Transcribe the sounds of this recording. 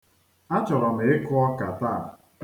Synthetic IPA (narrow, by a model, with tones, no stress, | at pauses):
a˦t͡ʃɔ˨ɾɔ˨me˨ɪ˦kʊ˦ɔ˦ka˨ta˦˨